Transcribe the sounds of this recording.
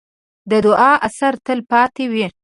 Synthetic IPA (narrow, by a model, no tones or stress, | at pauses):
d̪əd̪ʊʔɑʔasaɾt̪əlpɑt̪ewi